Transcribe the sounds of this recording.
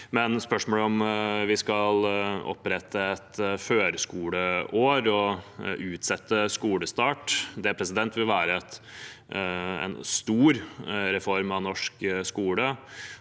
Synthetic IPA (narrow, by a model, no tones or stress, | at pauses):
mɛnspœʂmoːləɔmʋɪskɑlɔ̰pːɾɛt̪ʰːəɛt̪føːɾəskuːləʔoːɾɔʉːt̪sɛt̪ːəskuːləst̪ɑːʈd̪ɛpʰɾɛsɪd̪ɛnt̪ʋɪlʋæːɾəɛt̪ | ɛ̰nst̪uːɾɾɛfɔɾmɑnɔʂkskuːlə